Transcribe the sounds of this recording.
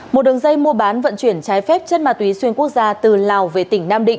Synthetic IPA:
mo˨˩t̚ɗɨ˨˩əŋza˧jmu˧əɓaː˨˦nvə̰˧˨nt͡ɕwi˧˩ənt͡ɕaː˨˦jfɛ˦˥p̚t͡ɕə˦˥nmaː˨˩t̪wi˨˦swi˧ənku˦˥ək̚zaː˧t̪ɨ˨˩laː˨˩wve˨˩t̪ï˧˩ŋ̟naː˧mɗḭ˧˨ŋ

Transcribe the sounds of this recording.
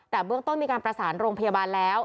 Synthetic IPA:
t̪ɛː˨˩bɯ˥˩əŋt̪o˥˩nmiː˧kaː˧npɾa˧saː˩˦nɾoː˧ŋpʰa˧jaː˧baː˧nlɛː˦˥w

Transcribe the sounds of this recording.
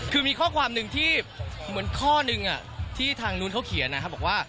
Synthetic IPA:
kʰɯː˧miː˧kʰɔː˥˩kʰwaː˧mnɯ˧ŋt̪ʰiː˥˩mɯ˩˦ənkʰɔː˥˩nɯ˧ŋʔa̰˨˩ | t̪ʰiː˥˩t̪ʰaː˧ŋnuː˦˥nkʰa˦˥wkʰi˩˦ənːa˧˥kʰa˦˥bɔː˨˩kwaː˥˩

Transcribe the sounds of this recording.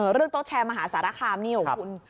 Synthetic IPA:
ɤː˩˦ɾɯ˥˩əŋt̪o˥t̪̚t͡ɕʰɛː˧nmaː˧ɦaː˩˦saː˨˩˦ɾaː˦˥˩kʰaː˧mniː˦˥˩wkʰu˧n

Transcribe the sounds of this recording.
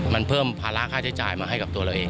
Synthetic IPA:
ma˧npʰɤː˥˩mpʰaː˧la˦˥kʰaː˥˩t͡ɕʰa˦˥jt͡ɕa̰ː˨˩jmaː˧ɦa˥˩jka˨˩p̚t̪u˧ɐɾa˧wʔeː˧ŋ

